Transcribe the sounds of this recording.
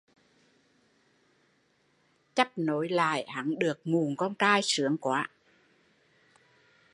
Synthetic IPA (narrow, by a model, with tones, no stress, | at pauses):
t͡ɕa˦˥p̚no˨˦jla̰ː˧˨jha˨˦ŋɗɨ˨˩ək̚ŋu˨˩ŋkɔ˧nkaː˧jsɨ˨˦əŋkwaː˨˦